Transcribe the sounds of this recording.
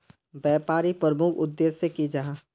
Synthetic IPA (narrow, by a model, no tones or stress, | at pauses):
bɛːpaːɾipəɾəmʊkʰʊd̪ːeːsekid͡ʒaɦa